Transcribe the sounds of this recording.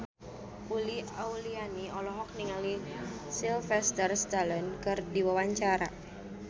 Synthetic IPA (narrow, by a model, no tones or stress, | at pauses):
uliaulianiɔlɔɦɔk̚niŋalisilfɛst̪ərst̪alənkɨrdiwawaɲt͡ʃaɾa̰